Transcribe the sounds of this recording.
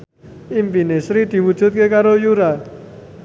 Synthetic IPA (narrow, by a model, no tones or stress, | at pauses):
ʔimpinesɾid̪̥i̤wud̥ʒ̥ṳt̪̚kekaɾojuɾa